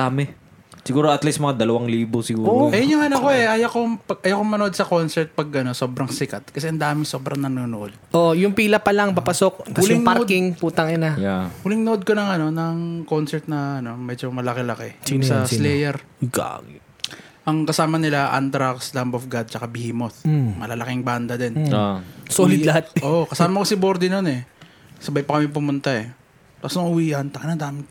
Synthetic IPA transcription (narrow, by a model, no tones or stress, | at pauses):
amɛ | sɪɡuːɾoɐt̪lismɐŋad̪ɐlɐwaŋliːbosɪɡuːoʔɐjɐnʊŋɐnɐkoɛʔaːjɐkopɐʔaːjakoŋmɐnʊʔd̪̚sɐko̞nsɛɾt̪̚pɐɡ̚ʔɐno̞so̞ːbɾɐŋsɪkɐt̪̚kɐsɛʔɐnd̪aːmɪso̞bɾɐŋnɐnonoʔod̪̚ʔoʔjʊŋpiːlɐpɐlaŋpapɐsok̚ɪlɪŋpaɾʔd̪kɪŋpuːt̪ɐŋɪnajawɪlɪŋnoʔod̪̚ko̞nɐŋɐno̞nɐŋko̞nsɛɾt̪̚nɐːno̞mɛd͡ʒomɐlɐkɛlɐkɛsɐslɛjɛɾ | ɡa̰ɡ | ʔɐŋkɐsaːmɐnɪlaʔa̰nt̪ɾakslambofɡad̪̚t͡ʃɐkabɪhimoθmɐlɐlɐkɪŋband̪ɐd̪ɛnosoːlɪd̪lɐhat̪̚ʔoʔkɐsaːmɐkosɪboɾd̪ɪnonɛ | sɐbajpɐkɐmɛp̬ʊmʊnt̪aɛ | t̪asnoŋʔʊwiːʔɐnt̪ɐknɐnd̪aːmɪt̪